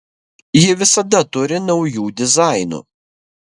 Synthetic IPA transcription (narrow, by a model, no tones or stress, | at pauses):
jɪʋʲɪsɐd̪ɐt̪ʊɾʲɪnɔʊjuːd̪ʲɪzɑˑɪnṵː